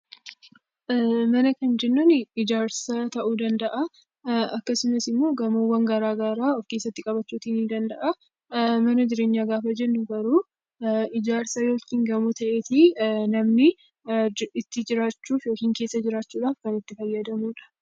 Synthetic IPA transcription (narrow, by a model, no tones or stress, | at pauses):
mɐnɐkɐnd͡ʒɛnːʊnɪɪd͡ʒaːɾsɐt̪ɐʔuːd̪ɐnd̪ɐʔɐ | ɐkːɐsɪmɐsɪmːo̞ːɡɐmowːɐŋɡɐɾaːɡaɾaːɔfkeːsːɐt̪ːɪkʼɐbɐt͡ʃːuːt̪iːnid̪ɐnd̪ɐʔɐ | mɐnɐd͡ʒɪɾe̞ːɲːaːɡaːfɐd͡ʒɛnːʊɡɐɾuː | ɪd͡ʒaːɾsɐjo̞ːkiːŋɡɐmut̪ɐʔeːt̪inɐmnɪ | ɪt̪ːɪd͡ʒɪɾaːt͡ʃːuːfjoːkiːŋke̞ːsːɐd͡ʒɪɾaːt͡ʃːuːᶑaːfkɐnɪt̪ːɪfɐjːɐd̪ɐmuːᶑɐ̥